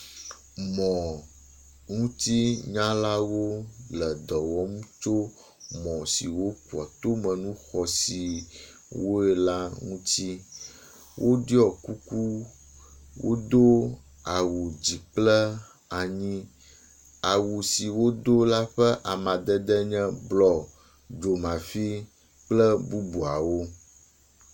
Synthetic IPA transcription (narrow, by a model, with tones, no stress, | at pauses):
mɔ̃˨ | ŋũ˦t̪i˦ɲã˦la˦wo˦lɛ˨d̪ɔ˨wɔ˦mũ˦t͡ʃo˦ | mɔ̃˨si˨wo˦ku˨ɔ̰˨t̪o˦mɛ̃˨nũ˦xɔ˨si˨ | wo˦ɛ˨la˦ŋũ˦t̪i˦ | wʔo˦di˦ɔ˨ku˦ku˦ | wo̰˦d̪o˦ | a˨wu˨d͡ʑi˨k͡plɛ˦ | a˨ɲĩ˦ | a˨wu˨si˨wo˦d̪o˦la˦ɸɛ˦ʔa˨mã˨d̪ɛ˦d̪ɛ˦ɲɛ̃˦blɔ˨ | d͡ʒo˨mã˨fi˦ | k͡plɛ˦bu˦bu˨a˨wo˦